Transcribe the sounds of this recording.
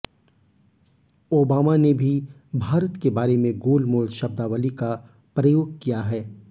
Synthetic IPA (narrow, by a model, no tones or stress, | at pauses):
oːbaːmanebʱi | bʱaːɾət̪kebaːɾemẽɡoːlmoːlʃɐb̚d̪aʋəlika | pɾɐjoːɡ̚kijaɦɛː